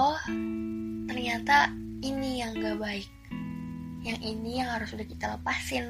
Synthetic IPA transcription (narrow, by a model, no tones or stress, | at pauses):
ɔ | t̪ərɲat̪a | inijaŋɡabaɪk̚ | jaŋʔinijaŋhaɾʊsudahkit̪aləpasɪn